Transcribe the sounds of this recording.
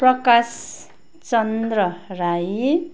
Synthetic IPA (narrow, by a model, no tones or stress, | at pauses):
prʌkas | t͡sʌnd̪rʌɾaj